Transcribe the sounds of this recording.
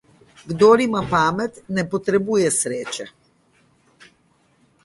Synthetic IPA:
ɡd̪ɔɾimapamɛt̪nɛpɔt̪ɾɛbujɛsɾɛt͡ʃɛ

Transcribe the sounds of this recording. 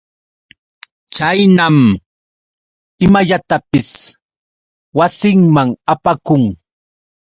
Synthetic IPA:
t͡ʃajnam | ɪmaʎat̪apɪs | wasɪŋmaŋapakʊŋ

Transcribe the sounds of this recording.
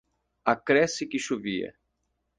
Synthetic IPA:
akɾɛsɪkɪʃoviɐ̰

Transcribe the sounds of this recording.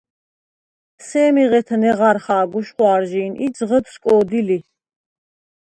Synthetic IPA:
sɛːmiʁɛt̪ʰnɛʁaɾχaːɡuʃχwaːɾʒiːnʔid͡zʁəd̪skʼɔːd̪ili

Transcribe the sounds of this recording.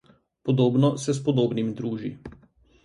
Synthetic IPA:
pɔd̪oːbnɔsɛs̬pɔd̪oːbnimd̪ɾuːʒi

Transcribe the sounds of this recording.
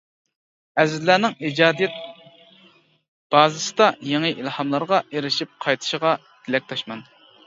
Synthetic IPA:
ɛzɪzlːæːnɪŋid͡ʒɑːd̪ijɛt̪̚ | b̥ɑːzɨsɨd̪ɑjeŋɨʔilhɑmlˠɑɾʁɑeɾɪʃip̚qʰɑjt̪ʰɨ̥ʃɪʁɑ | t̪ʰɪlɛk̚ʲt̪ʰɑʃmɑn

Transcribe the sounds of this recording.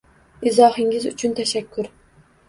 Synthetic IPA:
ɪzɒːhɪŋʲɪzʊ̰t͡ʃʰʊnt̪ʰaʃakʲʰːʊɾ

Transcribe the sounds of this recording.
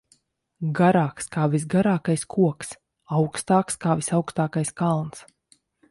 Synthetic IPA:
ɡaɾaːkskaːvisɡaɾaːkajskʰuɔks | awkst̪aːkskaːvisawkst̪aːkajskalˠns

